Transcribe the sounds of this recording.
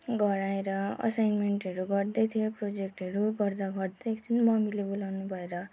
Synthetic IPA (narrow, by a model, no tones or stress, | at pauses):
ɡʌɾaeɾʌʌ̰sajnmeɳʈʌɾuɡʌrd̪ʌjt̪ʰijeprod͡zek̚ʈɦʌɾuɡʌrd̪aɡʌrd̪ekt͡sinmʌmilebulawnubʱʌeɾʌ